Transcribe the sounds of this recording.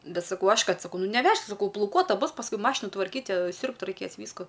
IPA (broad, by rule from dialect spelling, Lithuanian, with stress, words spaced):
ˈbʲɛt sɐˈkɐʊ ˈɐʃ ˈkɐt sɐˈkɐʊ ˈnʊ nʲɛˈʋʲɛʃk sɐˈkɐʊ plˠɐʊˈkuɔtɐ ˈbʊs pɐsˈkʊɪ ˈmɑːʃʲɪnʊ tʋɐrʲˈkʲiːt ˈsʲuːrpt rɐɪˈkʲeːs ˈʋʲiːskʊ